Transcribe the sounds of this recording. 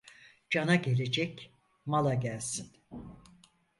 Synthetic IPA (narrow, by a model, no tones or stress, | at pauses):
d͡ʒanaɟe̞lʲe̞d͡ʒɛc | malˠaɟælʲsin